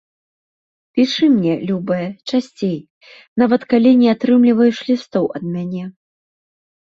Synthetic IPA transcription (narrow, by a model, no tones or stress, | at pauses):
pʲiʂɨmnʲɛlʲubɨjɐt͡ʂasʲt͡sʲej | navɐt̪kalʲinʲɛat̪ɾɨmlʲivɐjuʂlʲist̪ɔwʔɐd̪̚mʲanʲɛ